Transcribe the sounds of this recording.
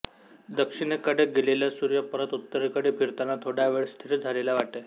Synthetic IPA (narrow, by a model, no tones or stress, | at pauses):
d̪əkʂiɽ̃ekəɽeɡeleljasuɾjəpəɾət̪ut̪ːəɾekəɽefiɾt̪anːat̪ʰoɽaʋeɭst̪ʰiɾd͡zʱalelaʋaʈe